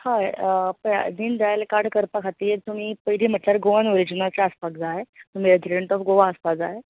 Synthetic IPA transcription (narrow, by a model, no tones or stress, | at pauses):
haepd̪iːnd̪ajlkaɾɽkəɾpakʰat̪iːɾt̪um̤iːpəjɾiːm̤əʈljaɾɡoʋanoɾid͡ʑinat͡ɕaəspakd͡zaɦet̪um̤iɾed͡ʑiɖeɳʈɔfɡoʋaəspad͡zaɦe